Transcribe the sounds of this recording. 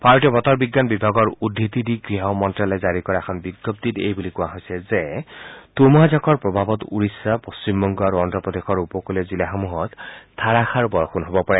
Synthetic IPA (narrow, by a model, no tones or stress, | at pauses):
paɹtiɔbɔt̪ɔɹbiɡːanbibʱaɡɔɹudʱːit̪idiɡɹiɦɔmɔntɹalɔzaɹikɔɹaɛkʰɔnbiɡɔp̚t̪itejbulikʊ̃waɦojsɛzet̪umɔɦazɔkʰɔɹpɹɔbʱabɔt̪ṵɹisːapost͡ɕimbɔŋɡɔaɹuɔntɹɔpɔd̪exʰɔɹupɔkulɛzilaɦomuɦɔt̪t̪ʰːaɹaxʰaɹbɔɹɔxʰunɦobɔpɔɹɛ